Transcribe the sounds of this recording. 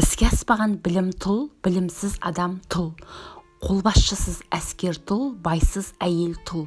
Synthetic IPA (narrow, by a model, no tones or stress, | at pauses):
ɪskʲeɑspɑʁɑnbɪlɪmt̪ʰʊlˠbɪlɪmsɪzɑ̰d̪ɑmt̪ʰʊlˠqʰo̞lˠbɑsʃəsəzæskʲe̞ɾt̪ʰʊlˠbɑjsəzæje̞lt̪ʰʊlˠ